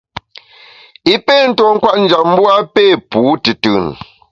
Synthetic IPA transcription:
i˦pe˦˨n̩˦tɔ˨ŋ̩˦kwa˦ʔn̩˦d͡ʒa˨p̚m̩˦bwa˦pe˦˨puː˨˦tɨ˨tɯ̰˨n˨

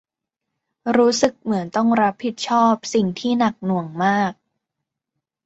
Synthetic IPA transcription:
ɾuː˦˥sɯ˨˩k̚mɯ˩˦ənt̪ɔ˥˩ŋɾa˦˥pʰːi˨˩t̪̚t͡ɕʰɔː˥˩p̚si˨˩ŋt̪ʰiː˥˩na˨˩k̚nu˨˩əŋmaː˥˩k̚

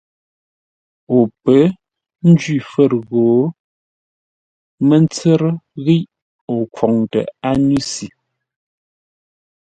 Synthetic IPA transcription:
o˨pə˨˦ | n̩˦d͡ʒɥi˦˨fə˦˨ɾɣo˨˦ | mə˦nt͡sə˦ɾə˦ɣi˦ʔ | o˨kwɔ˨ŋtə̰˨a˦ni˦si˨

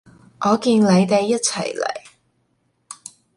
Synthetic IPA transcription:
ʔɔː˨˧kiː˧nle˨˧jt̪e˨jːɐ˥t̚t͡sʰɐ̰˨˩jlḛ˨˩j

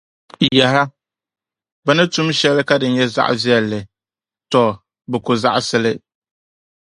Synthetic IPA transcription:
jɛ˨ɦa˦ | bɨ˦nɨ˦tu˦m˦ʃɛ˦lɨ˦ka˦dɨ˨n˦ɲɛ˦za̰˦ʔzi˦ɛ˨lːɨ˨ | tɔ˨ | bɨ˨kʊ˨za̰˦ʔsɨ˦lɪ˦

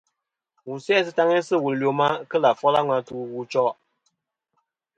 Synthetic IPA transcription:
wu˨sɛ˦s̬ɨ˦ta˦ŋe˦sɨ˦˨wu˨llo˨ma˦kə˦la˨fɔ˦la˦ŋʷa˦tu˦wu˦t͡ʃɔ˦

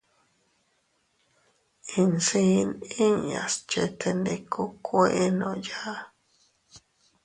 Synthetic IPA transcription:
ĩ˧nsi˦˧nĩ˦ɲã̰˨st͡ʃe˧t̪ʰe˧nd̪e˧ku˦kʷe˦ʔe˦nõ˨ja˦

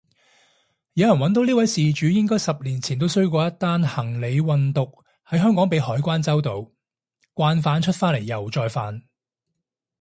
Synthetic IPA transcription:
jɐ˨˧wjɐ˨˩wɐ˨˥nt̪o˨˧wniː˥wɐ˨˥jsiː˨t͡ʃyː˨˥jɪ˥ŋkɔː˥jsɐ˨p̚liː˨˩nt͡sʰiː˨˩nt̪o˥wsɵ˥ɥkʷɔː˧jɐ˥t̪ːaː˥nhɐ˨˩ŋle˨˧jwɐ˨˧nt̪ʊ˨k̚ | hɐ˨˥jɦœː˥ŋkɔː˨˥ŋpe˨˧jhɔː˨˥jkʷaː˥nt͡sɐ˥wt̪o˨˧w | kʷaː˧nfaː˨˧˥nt͡ʃʰɵ˥t̚faː˥le˨˩jːɐ˨˩wt͡ʃɔː˧jfaː˨˧n

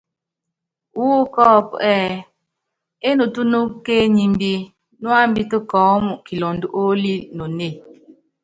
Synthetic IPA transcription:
wo˦kɔː˦˨pɛ˦˨ | e˦nu˨tu˦nu˦ke˦ɲi˨m˦bi˦ | nwa˦m̩˦bi˦tə˦kɔː˨˦mu˨ki˨lo˨ndu˦ʔo˦li˦no˨ne˦˨

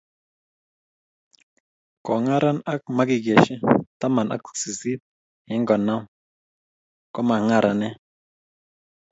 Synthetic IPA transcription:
kɔ˨ŋa˦ɾʔa˦na˦k̚ma˦ki˨ɡɛ˨ʃi˦ta˦ma˨nʔa̰˦k̚si˨zi˦p̚ | hɛ˨˦ŋɡɔ˨na˦w | kɔ˦ma˨ŋa˦ɾʔa˨nɛ˦

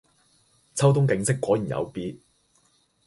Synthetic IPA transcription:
t͡sʰɐ˥wt̪ʊ˥ŋkɪ˨˧ŋsɪ˥kːʷɔː˨˥ji˨˩njʔɐ̰˨˧wpiː˧t̚

